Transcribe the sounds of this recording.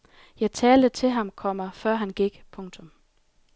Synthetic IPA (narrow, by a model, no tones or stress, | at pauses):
jɑ̈ɪt͡sʰɛːld̥ət͡sʰe̝ɦɑ̈mkʰɒ̽mɐfɶɐ̰ɦænɡ̥iɡ̥pʰɔ̽ŋt͡sʰɔ̽m